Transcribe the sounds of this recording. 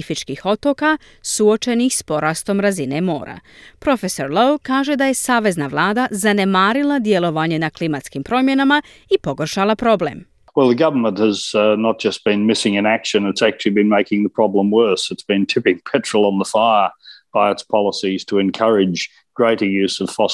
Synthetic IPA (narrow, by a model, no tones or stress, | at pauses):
ifit͡ʃkixo̞t̪o̞ka | suo̞t͡ʃe̞nixspo̞ɾast̪o̞mɾazine̞mo̞̰ːɾa̰pɾo̞feso̞ɾlowkaːʒe̞d̪aje̞saːʋe̞znaʋlˠaːd̪azane̞maːɾilˠad̪je̞lˠo̞ʋaɲenaklimat̪skimpɾo̞mjenama | ipo̞ɡorʃalˠapɾo̞ble̞̰m | wɛlˠðəɡʌvə˞mə̃nthɨznət̚d̥ʒ̥ʌst̚b̥ɨ̃nmɪsɪ̃ŋɨ̃nækʃɨ̃nɨtsæk̚t͡ʃʉl̩ˠibɨ̃nmeɪkɪ̃ŋðəpʰɹ̥ɑblə̃mwɜ˞sɨtsb̥ɨ̃ntʰɪpɪ̃ŋpʰɛt͡ʃɹ̥l̩ˠə̃nðəfaɪəb̥aɪɨtspʰɑlˠəsiz̥tʰəɨ̃nkʰʌɹɪd͡ʒ | ɡ̥ɹeɪɾə˞jʉz̥ʌv̥fɑ